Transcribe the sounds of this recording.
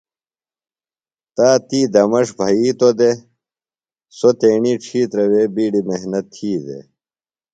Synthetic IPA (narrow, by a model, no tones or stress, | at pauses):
t̪aːt̪iːd̪ɐmɐʂbʱɐiːt̪od̪e | sot̪eːɳiːʈ͡ʂʰiːt̪ɾɐweːbiːɖimeɦnɐt̪ʰːiːd̪ḛ